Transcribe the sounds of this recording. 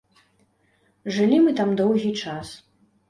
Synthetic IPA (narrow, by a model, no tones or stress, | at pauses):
ʐɨlʲimɨt̪amd̪ɔwɣʲit͡ʂas